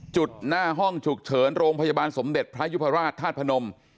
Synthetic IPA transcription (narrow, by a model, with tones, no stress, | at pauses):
t͡ɕu˨˩t̪̚naː˥˩ɦɔ˥˩ŋt͡ɕʰu˨˩k̚t͡ɕʰɤː˩˦nɾoː˧ŋpʰa˧ja˧baː˧nso˩˦mde˨˩t̪̚pʰɾa˦˥ju˦˥p̪ʰːa˧ɾaː˥˩t̪ʰːaː˥˩t̪̚pʰa˧no˧m